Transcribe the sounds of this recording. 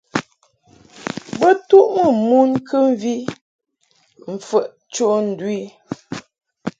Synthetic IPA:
bə˦tu˦ʔmə˨mu˦nkʰə˦m˦vi˦ | m̩˨fə˨ʔ | t͡ʃo˦n̩˨dwi˦˨

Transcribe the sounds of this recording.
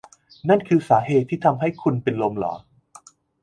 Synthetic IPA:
na˥˩nkʰɯː˧saː˩˦ɦeː˨˩t̪ʰːiː˥˩t̪ʰa˧mɦa˥˩jkʰu˧npe˧nlo˧mlɔ̰ː˩˦

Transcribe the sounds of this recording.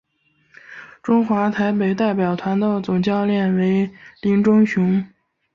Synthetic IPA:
ʈ͡ʂʊ˥ŋxwa˧˥t̪ʰa˧˥ɪpe˨˩ɪt̪a˥˩ɪpjɑ˨˩ʊt̪ʰwa˧˥nd̪ə˥˧t͡sʊ˨˩ŋt͡ɕjɑ˥˧ʊljɛ˥˩nwe˧˥ɪli˧˥ŋʈ͡ʂʊ˥ŋɕʊ˧˥ŋ

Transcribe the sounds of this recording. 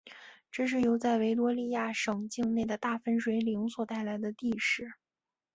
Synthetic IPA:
ʈ͡ʂɤ˥˧ʂ̬ɻ̩˥˩jo˧˥ʊt͡sa˥˩ɪwe˧˥ɪlwɔ˥li˥˧ja˥˩ʂɤ˨˩ŋt͡ɕi˥˧ŋne˥˩ɪd̪ə˩t̪a˥˩fə˥nʂwe˧˥ɪli˧˥ŋswɔ˨˩t̪a˥˩ɪla˧˥ɪd̪ə˧t̪i˥˧ʂɻ̩˥˩˦

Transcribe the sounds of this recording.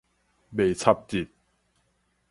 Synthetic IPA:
be˨˩t͡sʰa˧p̚t͡ɕi˨˩t̪̚

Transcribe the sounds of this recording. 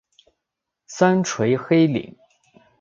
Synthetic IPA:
sa˥nʈ͡ʂʰwe˧˥ɪxe˥ɪlḭ˨˩˦ŋ

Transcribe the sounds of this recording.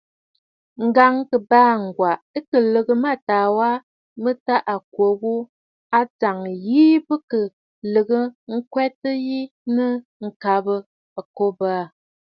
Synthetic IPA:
ŋ̩˨ɡa˨ŋkə˨baː˦˨ŋ̩˨ɡwa˨ʔə˦kə˨lə˨ɣə˦˨ma˦˨taː˨wa˦ | mə˦ta˦ʔa˨k̚wo˨wo˦ | a˦d͡za˨ŋjiː˦bə˦kə˨ | lə˨ɣə˦ŋ̩˦kwɛ˦tə˦ji˦nɨ˦ŋ̩˨ka˨bə˦ | a˨ko˦ba˦˨

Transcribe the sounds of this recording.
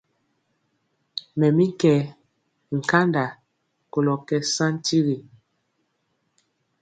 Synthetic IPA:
mɛ˨mi˦kɛ˨ | ŋ̩˨ka˦nda˨ | ko˨lɔ˨kɛ˦sã˦n˦tʰi˦ɣi˨

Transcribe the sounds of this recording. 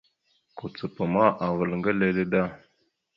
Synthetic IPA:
ku˨t͡sə˨pə˨ma˦ʔa˨və˨lŋɡə˦le˦le˦ɗa˦˨

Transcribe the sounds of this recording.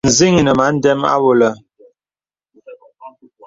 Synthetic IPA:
n̩˨zi˦ŋ˨nə˨ma˨˦n̩˦dɛ˦ma̰˦wo˨lə˨

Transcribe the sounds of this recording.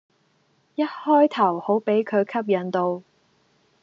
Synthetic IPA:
jɐ˥t̚hɔː˥jt̪ʰɐ˨˩who˨˥wpe˨˥jkʰɵ˨˧ɥkʰɐ˥p̚jɐ˨˩nt̪o˧w

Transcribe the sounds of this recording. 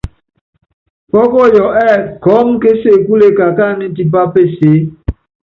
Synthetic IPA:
pɔ˦kɔ˦˨jɔ˨ʔɛ˦˨kɔ˨˦m˦ke˦se˦˨ku˦le˦ka˨ka˦˨ni˦t̬i˨pa˦pe˦˨seː˨˦

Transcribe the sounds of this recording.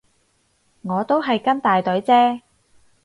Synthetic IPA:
ŋɔː˨˧t̪o˥wɦɐ˨jkɐ˥nt̪aː˨jt̪ɵ˨˥ɥt͡sɛː˥

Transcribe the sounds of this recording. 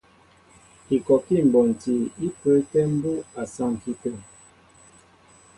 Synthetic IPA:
i˨kɔ˨ki˦˨m̩˨bɔ˨n˨ti˨i˦pə˦tɛ˦m̩˦bu˦a˨sa˦˨ŋ˨ki˦tɛ˦˨

